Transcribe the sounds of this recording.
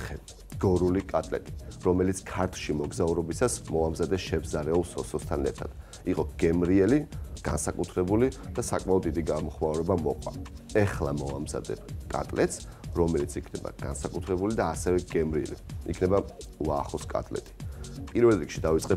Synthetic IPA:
ɛ | ɡ̥ɔɾulikʼat̪ʼlɛ̰t̪ʼi̥ɾɔmɛlit̪skʰaɾt̪ʰʃimɔɡzauɾɔbisasmɔamzad̪ɛʃɛbzaɾɛulˠsɔsɔst̪ʰanɛɾt̪ʰad̪̥ | iqʼɔɡ̥ɛmɾiɛliɡ̥a̰nsakʼut̪ʰɾɛbulid̪̥asakʼmaɔd̪ːid̪iɡamɔχmauɾɛbamɔqʼwa̰ɛχlˠamɔamza̰d̪ɛ̰kʼa̰t̪ʼlɛt̪s | ɾɔmɛlit̪sʰikʰnɛba̰ɡ̥a̰nsakʼut̪ʰɾɛbulid̪aːsɛvɛɡ̥ɛmɾiɛ̰lḭḭkʰnɛbalˠaːχɔskʼa̰t̪ʼlɛ̰t̪ʼi̥pʼiɾvɛlˠɾikʰʃid̪avit̪sʼqʼɛ

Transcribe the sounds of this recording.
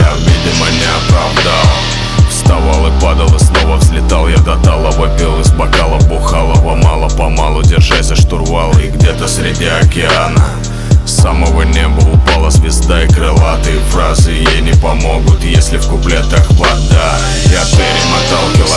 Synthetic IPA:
javvʲedʲɪmənʲɪɐpɾɐvd̪alˠ | fst̪ɐvalˠɨpad̪əlˠɨslˠovəvzʲlʲɪt̪alˠjad̪ɐt̪alˠəvɐpʲilˠɨzbɐkalˠəbʊxalˠəpɐmalˠəpɐmalˠʊdʲɪrʐajsʲəʂt̪ʊrvalˠɪɡdʲet̪əsʲɾʲɪdʲiɐkʲɪanə | saməvənʲebəʊpalˠəzʲvʲɪzd̪aikɾɨlˠat̪ɨɪfɾazɨɪjenʲɪpɐmoɡʊt̪jesʲlʲɪfkʊplʲet̪axpɐd̪a | jʲat̪vʲeɾʲɪmɐt̪alˠkʲɪlˠə

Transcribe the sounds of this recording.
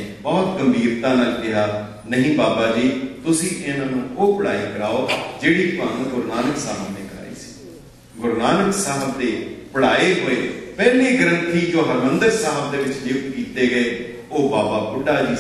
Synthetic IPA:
bɔːt̪ɡəmbiːɾt̪ãːləldɪɦaː | nəɦĩːbaːbaːd͡ʒiːt̪ʊsĩːʔɪnãːnũːoːpəɽa̰ːiːkəɾaːoːd͡ʒeːɽiːpəŋɡʊɾnaːnəksaːɦbneːkɾa̰ːḭːsi̥ː | ɡʊɾnaːnəksaːɦəbd̪eːpəɽaːeːɦoːeːpɛːliːɡəɾə̃nt̪ʰiːd͡ʒoːɦəɾmənd̪əɾsaːɦəb̚d̪eːʋɪt͡ʃlɪkt̪kiːt̪eːɡəeː | oːbaːbaːkʊɖaːd͡ʒiː

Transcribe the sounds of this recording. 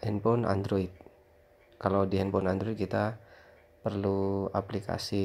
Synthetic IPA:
ʔɛnpɔna̰nd̪ɾoit̪̚ | kalawdiɛnpɔnand̪ɾɔit̪̚kit̪a | pərlua̰plikʰa̰si

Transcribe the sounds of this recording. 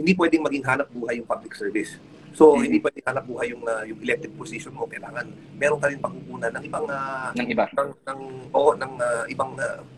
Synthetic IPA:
hɪnd̪ipwɛd̪ɪŋmɐɡɪŋɦaːnɐp̚buːɦɐjʊŋpablɪksɛɹvɪsː | o̞hɪnd̪ipwɛd̪ɪŋhaːnɐp̚buːɦɐjʊŋajʊŋʔɛlɛk̚t̪ɪɡ̚posɪʃonmokɐjlaːŋɐn | mɛːɾonk̪ɐɾɪŋpɐɡ̚kukuːnɐnːɐŋʔɪbaŋanɐŋɪbaɐŋnɐŋʔoʔonɐŋaʔɪbaŋa

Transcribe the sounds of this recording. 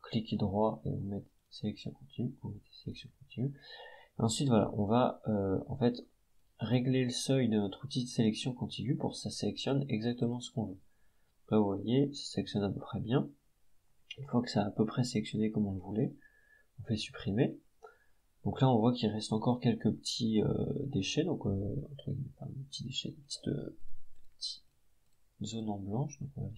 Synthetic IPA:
klikʲd̪ʁwaḛmɛt̪ | selɛksjɔ̃kɔ̃t̪ʰinyuet̪iselɛksjɔ̃kɔ̃t̪inyeɑ̃sɥit̪vwala̰ʔɔ̰̃vaøɑ̰̃fɛt̪ | ʁeɡleləsœjd̪ənɔt̪χut̪id̪əselɛksjɔ̃kɔ̃t̪ʰinypuʁkə̥saselɛksjɔnɛɡzak̚t̪əmɑ̃sə̥kɔ̃vø | d̪ɔ̃klavuvwajesḁselɛksjɔnapøpχɛbjɛ̃ | ynfwakə̥saːpøpχɛselɛksjɔnekɔmɔ̃ləvulɛ | ɔ̃fɛsy̥pχime | d̪̥ɔ̃klaɔ̃vwakʲilʁɛst̪ɑ̃kɔʁkʲɛlkəpət̪ʰiø̰d̪eʃɛd̪ɔ̃køɑ̰̃t̪χə̰ɡʲḭmɛfã̰d̪əpət̪ʰid̪eʃɛ̰d̪əpət̪i̥t̪ø̰pət̪ʰi̥ | zonɑ̃blɑ̃ʃd̪ɔ̃kɔ̃va

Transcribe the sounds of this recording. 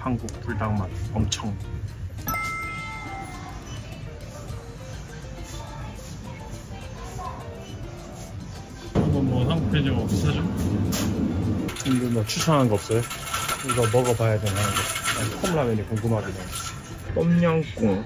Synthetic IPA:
hanɡuk̚puɭtaŋmanʌmt͡ɕʰʌŋ | ʌmʌnmʌsʰaŋtʰed͡ʑoʌs͈ʌd͡ʑo | t͡ɕindumat͡ɕʰusʰaŋɦanɡʌʌp̚s͈ʌjokiɡʌmʌɡapajadwennɦanɯnɡʌaŋkʰamɭamenikoŋɡumɦaɡina | p͈ʌmɲʌŋk͈uŋ

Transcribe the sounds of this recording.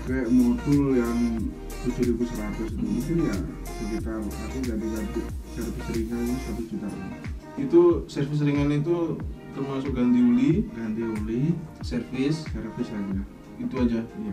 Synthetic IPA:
kɛmɔd̪ʊljaŋ | t̪ud͡ʒuɾiɡusəɾat̪ʊsit̪umiŋkɪnja | səd͡ʒit̪amakɪŋɡadiɡadusɛrfɪsɾiŋaninisat̪usd͡ʒut̪apa̰n | it̪usɛrfɪs̬ɾiŋanit̪̬ut̪ərmasʊk̚ɡand̪iuliɡand̪iulisɛrfɪssɛrfɪsadia | it̪uad͡ʒaija

